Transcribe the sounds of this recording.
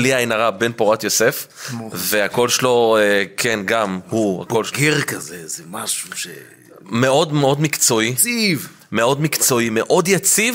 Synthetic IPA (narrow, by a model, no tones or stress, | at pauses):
liainaʁabe̞npoʁat̪jo̞se̞fveako̞lʃelo̞ekʰenɡamhua̰kolɡeʁkɐzezemaʃuʃe | meo̞dmeo̞dmikt͡so̞iiv | meo̞dmikt͡so̞imeʔo̞djat͡siv